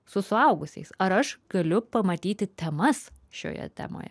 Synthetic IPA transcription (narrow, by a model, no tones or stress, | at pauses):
sʊsʊɐʊɡʊsʲɛ̰ɪsɐɾɐʃɡ̥ɐlʲʊpɐmɐt̪ʲiːt̪ʲɪt̪ʲɛmɐsʃʲo̰ːjɛ̰t̪ʲæ̰ːmo̰ːjɛ̰